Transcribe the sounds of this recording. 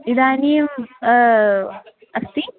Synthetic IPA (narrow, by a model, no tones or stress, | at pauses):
id̪aːnim | ɐst̪i